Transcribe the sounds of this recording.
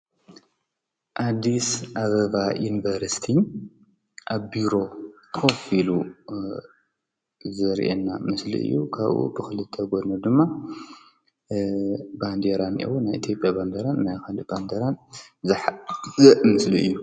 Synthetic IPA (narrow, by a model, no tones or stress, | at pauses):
ʔad̪ːisʔaβɐβajunivɐɾsi̥t̪ʰi | ʔaβbiɾo̞t̪ʰofilu | zɐɾ̰ʔḛnːamɨslḭʔɨ̰jːukʰaβʔṵbɨxɨlɨt̪ʰːɛɡod̪nɐd̪ɨmːa | band̪eɾanʔḛwunːajʔit̪ʰijopʼjaband̪eɾannajxanband̪eɾanzɨħzɨʔmɨsliɨ̰jːu